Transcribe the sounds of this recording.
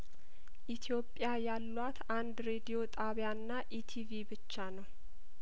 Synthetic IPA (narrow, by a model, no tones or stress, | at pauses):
ʔit̪ʰijo̞pʼːjajalːwat̪ʰand̪ɾe̞d̪ijo̞t̪ʼʰaβjaɨnːaʔit̪ʰivibɨt͡ʃːanəw